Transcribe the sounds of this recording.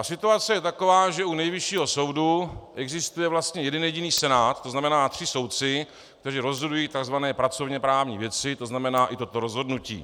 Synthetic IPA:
sɪt̪uat͡sɛjɛt̪ako̞vaːʒɛunɛjvɪʃiːɦo̞so̞wduʔɛɡzɪst̪ujɛvlast̪ɲɛjɛdɛnjɛɟiniːsɛnaːt̪t̪ːoznamɛnaːt̪r̥ɪso̞wt̪̚t͡sɪ | kkt̪ɛriːɾo̞zɦodujiːt̪aɡzvanɛːpɾat͡so̞vɲɛpɾaːvɲḭːvjɛt͡sɪt̪o̞znamɛnaːʔɪt̪o̞t̪oɾozɦo̞dnucḭː

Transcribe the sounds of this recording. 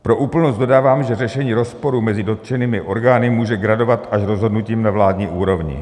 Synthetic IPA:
pɾo̞ʔuːpl̩nost̪do̞daːvaːmʒɛrɛʃɛɲiːɾo̞spo̞ɾumɛzɪdo̞t̪ʒ̥ɛniːmɪʔo̞ɾɡaːnɪmuːʒɛɡɾado̞vat̪aʃɾo̞zɦo̞dnuciːmnavlaːdɲiːʔuːɾo̞vɲɪ̰

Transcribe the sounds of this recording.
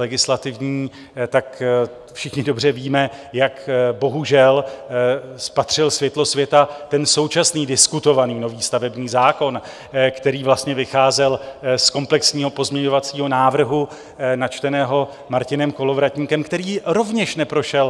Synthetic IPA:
ɛɡɪslat̪ɪvɲiː | t̪ak | fʃɪxɲɪdobr̝ɛviːmɛ | jakbo̞ɦuʒɛl | spat̪r̝̥ɪlsvjɛt̪lo̞svjɛt̪at̪ɛnso̞wt͡ʃasniːdɪskut̪o̞vaniːno̞viːst̪avɛbɲiːzaːko̞n | kt̪ɛɾiːvlast̪ɲɛvɪxaːzɛlsko̞mplɛksɲiːɦo̞po̞zmɲɛɲo̞vat͡siːɦo̞naːvr̩ɦu | nat͡ʃt̪ɛnɛːɦo̞ | maɾcɪnɛmko̞lo̞vɾat̪ɲiːkɛmkt̪ɛɾiːɾo̞vɲɛʃnɛpɾo̞ʃɛl

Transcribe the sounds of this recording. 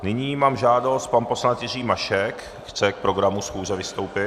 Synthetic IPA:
nɪɲiːmaːmʒaːdo̞st̪̚panposlant̪jɪriːmaʃɛk | xt͡sɛk̚pɾo̞ɡɾamusxuːzɛvɪst̪o̞wpɪ

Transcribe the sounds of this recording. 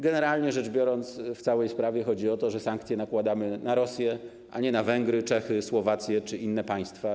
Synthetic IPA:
ɡɛnɛɾalɲɛʐɛʐbʲjɔɾɔnt̪sft̪sawɛjspɾavʲjɛxɔd͡ʑiɔt̪ɔʐɛsaŋkt̪sʲjɛnakwad̪amɘnaɾɔsʲjɛ | ʔa̰ɲɛnavɛŋɡɾɘt͡ʂɛxɘswɔvat̪sʲjɛt͡ʂɘʔinːɛpaj̃st̪fa

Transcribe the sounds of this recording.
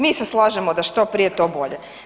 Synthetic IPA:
miːseslˠaːʒemod̪aʃt̪o̞pɾijet̪o̞ːbo̞ʎe

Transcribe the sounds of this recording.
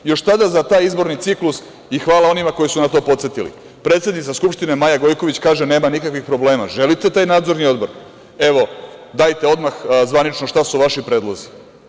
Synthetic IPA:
jo̞ʃt̪ad̪azat̪aːjizbo̞ɾnit̪siklus | ixʋaːlao̞nimako̞jisunat̪o̞ːpo̞t̪set̪ilḭ | pɾet̪sʲed̪nit̪askupʃt̪inemajaɡo̞jko̞ʋit͡ɕkaːʒene̞ːmanikakʋixpɾo̞ble̞ːma̰ʒe̞lit̪e̞t̪aːjnaːd̪zo̞ɾnio̞d̪bo̞ɾ | e̞ʋo̞d̪ajt̪eo̞d̪maxzʋanit͡ʃnoʃt̪asuʋaʃipɾe̞ːd̪lˠozi

